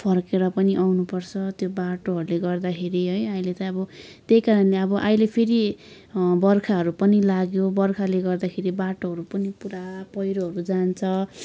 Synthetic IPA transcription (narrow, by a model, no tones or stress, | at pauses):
pʰʌrkeɾʌpʌniʔawnupʌrt͡sʰʌt̪jobaʈoɦʌɾuleɡʌrd̪akʰeɾiɦʌjajlet̪ʌʌbʌt̪ejkaɾʌnleʌbʌʔajlepʰeɾi | bʌrkʰaɦʌɾupʌnilaɡjobʌrkʰaleɡʌrd̪akʰeɾibaʈoɦʌɾupʌnipuɾapʌjɾoɦʌɾud͡zant͡sʰʌ